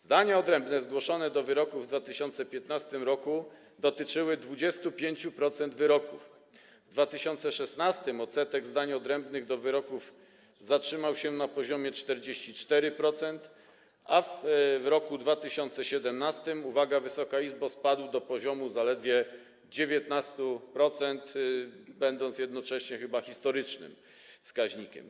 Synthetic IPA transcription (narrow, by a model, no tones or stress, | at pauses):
zd̪aɲaɔd̪ɾɛmbnɛzɡwɔʂɔnɛd̪ɔvɘɾɔkuvːd̪vat̪ɘɕɔnt̪sɛpʲjɛt̪nast̪ɘmɾɔku | d̪ɔt̪ɘt͡ʂɘwɘd̪vud͡ʑɛst̪upʲjeɲt͡ɕupɾɔt̪sɛnd̪vɘɾɔkuf | vd̪vat̪ɘɕɔnt̪sɛʂɛst̪nast̪ɘmɔt̪sɛt̪ɛɡzd̪aɲɔd̪ɾɛmbnɘɣd̪ɔvɘɾɔkuv | zatʂɘmawɕɛnapɔʑɔmʲjɛt͡ʂt̪ɛɾd͡ʑeɕt͡ɕit͡ʂt̪ɛɾɘpɾɔt̪sɛnt̪ | avvɾɔkud̪vat̪ɘɕɔnt̪sɛɕɛd̪ɛmnast̪ɘmuvaɡavɘsɔkaizbaspad̪wd̪ɔpɔʑɔmuzalɛd̪vʲjɛ | d͡ʑevʲjɛt̪nast̪upɾɔt̪sɛnt̪bɛnd̪ɔnt̪sjɛd̪nɔt͡ʂɛɕɲɛxɘbaxʲist̪ɔɾɘt͡ʂnɘ̰m | fskaʑɲikʲɛ̰m